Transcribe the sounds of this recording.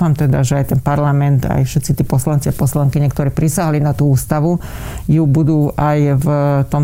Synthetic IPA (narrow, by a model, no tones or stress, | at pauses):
amt̪ɛd̪a̰ʒɛajt̪ɛnpaɾlamɛnt̪a̰jfʃɛt̪t͡sit̪iɛpɔslant͡sɪapɔslaŋkiɲɛkt̪ɔɾɛːpɾisaɦalinat̪uːuːst̪aʋujubud̪uːajvt̪ɔm